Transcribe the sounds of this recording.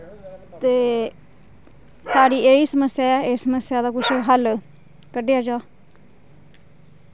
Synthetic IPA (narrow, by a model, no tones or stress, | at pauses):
t̪eː | saːɽiːeiːsəməsːjaːɛːeːsəməsjaːd̪aːkʊt͡ʃʰɦəl | kəɖejaːd͡ʒaː